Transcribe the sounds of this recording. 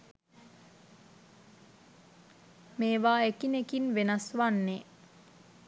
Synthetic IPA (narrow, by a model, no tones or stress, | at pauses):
meːʋaːekinekinʋenasʋanːe